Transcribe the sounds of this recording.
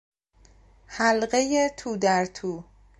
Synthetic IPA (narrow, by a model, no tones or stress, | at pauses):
hælɢejet̪ʰuːd̪æɾt̪ʰuː